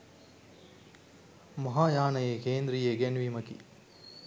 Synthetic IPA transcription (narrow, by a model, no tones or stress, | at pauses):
mɐɦaːjaːɳɐjeːkeːnd̪ɾijeɡenʋiːmɐkḭ